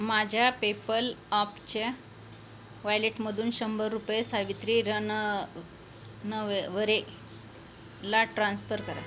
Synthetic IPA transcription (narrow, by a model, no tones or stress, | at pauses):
mad͡ʑʱjapepəlɔpt͡ɕe | ʋajleʈməd̪ʱuːnɕəmbəɾːupjesaʋit̪ɾiɾən | nəʋeʋəɾe | laʈɾansfəɾkəɾa̰